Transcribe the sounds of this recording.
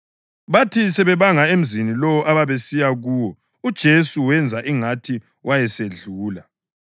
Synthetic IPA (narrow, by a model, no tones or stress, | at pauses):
βatʰisɛβɛβaŋaem̩zinilɔwɔʔaβaβesijaɣuːwɔ | ud̥ʒ̥ʱesuwɛnd͡zʱaʔiŋatʰi | wʔajɛseɮuːla